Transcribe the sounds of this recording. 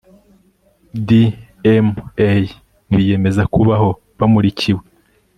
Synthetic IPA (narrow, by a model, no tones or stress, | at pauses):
di | emej | βije̞me̞zakuβaho̞ | βamuɾicʰiwe̞